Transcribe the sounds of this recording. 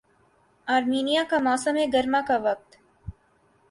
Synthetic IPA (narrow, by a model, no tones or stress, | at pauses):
aːɾmiːnijakamaːsəmeɡɐɾmakaʋɐk̚t̪